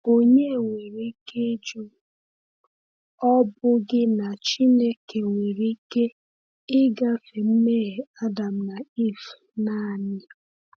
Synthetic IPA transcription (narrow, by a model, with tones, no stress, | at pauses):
o˦ɲe˦˨ŋʷe˨ɾi˦ke˦d͡ʒo˦ | ɔ˦bʊ˦ɡɪ˦na˨t͡ʃi˦ne˦ke˨ŋʷe˨ɾi˦ke˦ | ɪ˦ɡa˦fe˨m̩˦me˦ɦe˨a˦da˨m̩˦na˨i˦˨f | na˦˨nɪ˦